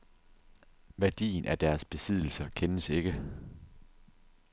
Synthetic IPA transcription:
ʋæɐd̥ḭːnʔæd̥æɐsb̥e̝sið̞ˠl̩sɐkʰenəse̝ɡ̥ə

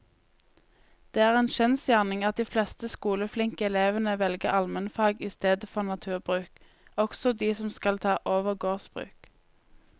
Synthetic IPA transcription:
d̪̥eːæːʁeːnʃɛnsjæːʁnɪŋɑt̪̚d̪iːflɛst̪əskuːləflɪŋkəɛleːʋənəʋɛlɡəʁɑlmɛnfɑːɡɪst̪eːd̪əfɔʁnɑt̪ʰʉːʁbʁʉːk | ɔksɔd̪iːsɔmskɑlt̪ʰɑːʔoːʋəʁɡoːsbʁʉ̰ːk

